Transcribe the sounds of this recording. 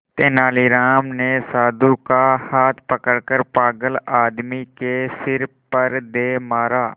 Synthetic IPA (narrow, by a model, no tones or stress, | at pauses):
t̪eːnaːliːɾaːmneːsaːd̪ukahaːt̪ʰpəkəɽkəɾpaːɡəlaːd̪mikeːsɪɾ | pəɾd̪eːmaːɾaː